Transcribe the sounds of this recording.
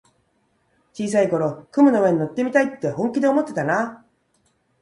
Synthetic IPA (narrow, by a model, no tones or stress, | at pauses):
t͡ɕiːs̬aiko̞ɾo̞kɯmɯ̟no̞βeɲ̟ino̞t̪ːe̞mʲit̪ait̪ːe̞hõ̞ŋkʲid̪e̞omo̞t̪ːe̞t̪ana